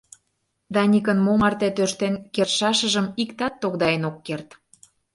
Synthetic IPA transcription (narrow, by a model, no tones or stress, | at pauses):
d̪ɑnʲikənmomɑrt̪et̪øʃt̪enkerʃɑʃə̆ʒə̆mikt̪ɑt̪ːoɣd̪ɑenokːert̪